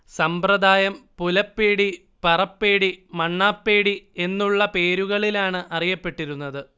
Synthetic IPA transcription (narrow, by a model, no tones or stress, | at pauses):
sɐmprɐd̪ʱaːjɐmpulɐpːeːɽi | pɐrɐpːeːɽimɐɳːaːpːe̞ːɽie̞nːuɭːɐpe̞ːɾuɣɐɭilaːɳɨʔɐrijɐpːe̞ʈːiɾunːɐðɨ